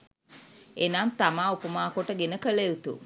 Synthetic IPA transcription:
enaːmt̪amaːupəmaːkoʈəɡenəkəleut̪ṵ

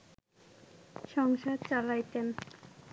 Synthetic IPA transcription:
ʃɔŋʃad̪̚t͡ɕalajt̪en

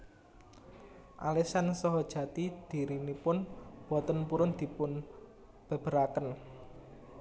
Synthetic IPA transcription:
ʔa̰lesansɔɦɔd̥ʒ̥ä̤t̪id̪̥i̤ɾinipʊnb̥ɔ̤t̪ənpuɾʊnd̪̥i̤pʊn | b̥ə̤b̥əɾakən

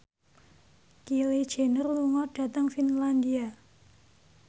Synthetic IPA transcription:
kiled̥ʒ̥e̤nərluŋɔɖ̥ä̤t̪əŋfinland̪ia

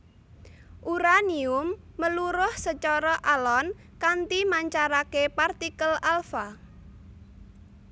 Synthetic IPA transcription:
ʔuɾaniʊmː | əluɾʊhsət͡ʃɔɾɔʔalɔn | kant̪imaɲt͡ʃaɾakepart̪ikəlalfa

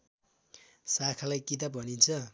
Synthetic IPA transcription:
sakʰalajkit̪̬abʱʌnint͡sʰʌ

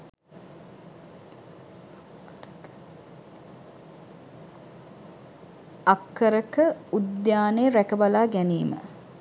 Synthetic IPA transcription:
akːəɾəkəud̪jaːnejəɾækəbalaːɡæniːmə̰

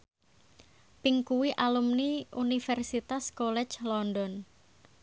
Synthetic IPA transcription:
piŋkuwiʔalumniunifɛrsit̪askɔlɛ̥t͡ʃlɔndɔn

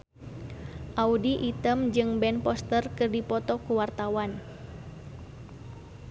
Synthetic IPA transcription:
ʔaudiʔit̪əmd͡ʒɨŋbɛnpɔst̪ərkɨrdipɔt̪ɔkuwart̪awan

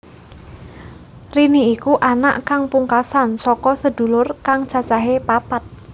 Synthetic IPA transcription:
riniikuʔana̰ʔkaŋpuŋkasansɔkɔsəd̪̥ṳlʊrkaŋ̥ʒ̥ä̤t͡ʃaɦepapat̪̚

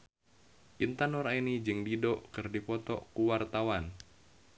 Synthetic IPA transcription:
ʔint̪anɔɾainid͡ʒɨŋdidoʔkɨrdipɔt̪ɔkuwart̪awan

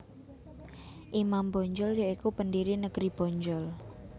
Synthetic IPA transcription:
ʔimambɔɲd͡ʒɔljaikupəndiɾinəɡ̥ɾib̥ɔɲd͡ʒɔl

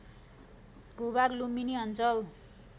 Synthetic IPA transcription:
ɡʱobaɡluminiʌnt͡sʌl

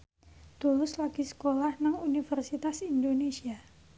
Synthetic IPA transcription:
t̪ulʊslaɡ̥isə̥kolahnaŋunifərsit̪asindonesia

